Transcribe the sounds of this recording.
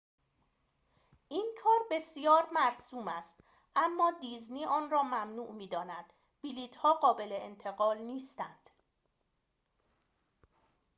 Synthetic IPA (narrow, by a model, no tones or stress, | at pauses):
ʔiːnkʰɒːɾbe̞sijɒːɾmæɾsuːmæst̪ | ʔæmːɒːd̪iːzniːʔɒːnɾɒːmæmnuːʔmiːd̪ɒːnæd̪̥ | b̥iliːt̪ʰhɒːɢɒːbe̞leent̪ʰe̞ɣɒːlniːst̪ænd̪̥